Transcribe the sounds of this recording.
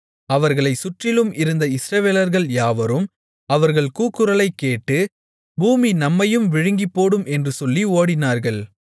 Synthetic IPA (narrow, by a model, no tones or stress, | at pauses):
ɐʋɐɾɣɐɭɐɪsʊʈrɪlɯmʔɪɾɯnd̪ɐɪsɾɐʋeːlɐɾɣɐɭjaːʋɐɾɯm | ɐʋɐɾɣɐɭkuːkːɯɾɐɭɐɪkːeːʈːɯ | buːminɐmːɐjɯmʋɪɻɯŋɡɪpːoːɽɯmʔɛndrɯsɔlːioːɽɪnaːɾɣɐɭ